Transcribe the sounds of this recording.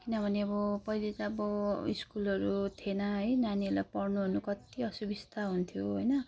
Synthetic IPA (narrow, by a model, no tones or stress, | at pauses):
kinʌbʱʌneʌbʌpʌilet͡saʌbʌiskulʌɾut̪ʰenʌɦʌjnanilapʌrnuɦʌnukʌt̪iʌsubist̪ʰaɦunt̪ʰjoɦojnʌ